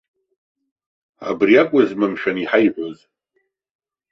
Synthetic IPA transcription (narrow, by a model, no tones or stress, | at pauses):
a̰briakʷʼʊzmɨmʃᶣaniħajħʷoz